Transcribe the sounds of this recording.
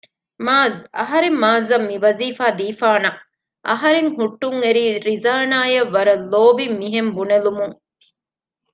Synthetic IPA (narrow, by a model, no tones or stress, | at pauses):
maːzɐɦɐɾemːaːzɐmːiʋɐziːfaːd̪iːfaːnɐ | ʔɐ̰ɦɐɾeŋhuʈːuŋeɾiːɾizaːnaːjɐʋːɐɾɐlːoːbimːiɦembunelumuŋ